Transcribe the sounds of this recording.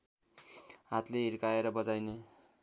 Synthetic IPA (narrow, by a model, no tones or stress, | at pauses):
ɦat̪leɦiɾkaeɾʌbʌd͡zajne